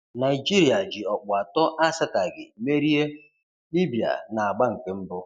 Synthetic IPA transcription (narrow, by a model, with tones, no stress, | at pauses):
na˨i˨d͡ʒi˦ɾi˨a˨d͡ʒɪ˨ɔ˨k͡pʊ˨a˨tɔ˦ʔa˦sɪ˦ta˨ɡɪ̰˨me˦ɾi˦e˦ | li˦bi˨a̰˨na˨a˨ɡ͡ba˦ŋ̩˨ke˦m̩˦bʊ˦